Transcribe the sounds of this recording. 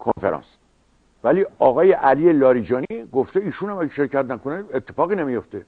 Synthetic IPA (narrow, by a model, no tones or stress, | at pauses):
kʰonfeɾɒ̰ns | væliːɒːɣɒːjeʔæliːjelɒːɾiːd͡ʒɒːniɡoft̪eiːʃunæmæɟæʃe̞ɾcʰæt̪næko̞neet̪ʰːe̞fɒːɣiːnemijo̞ft̪e̞